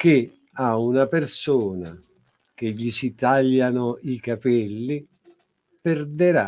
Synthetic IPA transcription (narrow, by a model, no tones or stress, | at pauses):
kɪ | aunapersuːna | k̟ɪʎːisit̪aʎːanʊikapɛlːi | pɛrd̪eɾa